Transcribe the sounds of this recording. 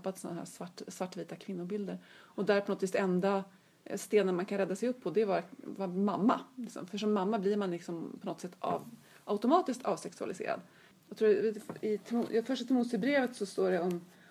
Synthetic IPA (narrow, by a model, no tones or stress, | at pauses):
pːat̪sɔnːahæ̰ːsvaʈːsvaʈːviːt̪akʰvɪnːʊbɪld̪əɾɔd̪æɾɾpʰɔnɔt̪ːviːt̪d̪ɛɛnd̪a | st̪eːd̪ənmankʰanɾɛd̪ːasɛjɵpʰːɔd̪ɛvɑːɾavamːamːalɪksɔ̰mfœʂɔmːamːablɪɾmanlɪksɔmpʰɔnɔt̪sɛt̪ʰːɑ̰ːv | ʔaʊt̪ʊmɑːt̪ɪsk̚t̪ʰɑ̰ːvsɛksɵa̰lɪsḛːɾa̰d̪ | jɑɡt̪ʰɾuːɾɪt̪ʰːfœʂʈat̪ʰɪmuːsɪbɾeːvət̪sɔst̪oːɖɛɔm